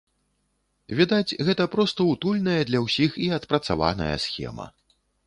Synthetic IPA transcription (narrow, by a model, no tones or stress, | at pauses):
vʲid̪ad͡zʲɣɛt̪ɐpɾɔst̪ɐut̪ulʲnɐjɐd̪lʲɐwsʲixiɐt̪pɾɐt̪sava̰nɐ̰jɐ̰sxʲɛ̰mɐ̰